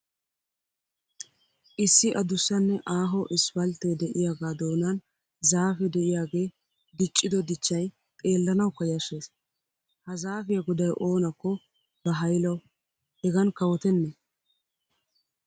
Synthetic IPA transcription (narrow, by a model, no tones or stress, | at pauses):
ʔɪsːɪʔɐd̪ʊsːɐnːɛʔaːɦɔʔɪsfɐlt̪ed̪ɛʔɪjaːɡaːd̪oːnɐn | zaːfɛd̪ɛʔɪjaːɡe̞ː | d̪ɪt͡ʃʼːɪd̪ɔd̪ɪt͡ʃːɐj | t̪ʼe̞ːlːɐnɐwkːɐjɐʃe̞ːs | hɐzaːfɪjɐɡʊd̪ɐjʔoːnɐkːɔ | bɐɦɐjlɐwʊ | hɛɡɐnkɐwɔt̪ɛnːɛ